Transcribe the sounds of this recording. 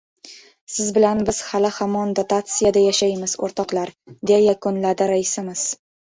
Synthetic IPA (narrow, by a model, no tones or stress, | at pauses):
sɪzbɪlanbɪz̥halɪhamɒnd̪ot̪at̪sɨjad̪ajaʃajmɪz̥o̰ɾt̪ʰɒqlˠaɾd̪ejajakʊnlad̪ɪɾaɪsɪmɪz̥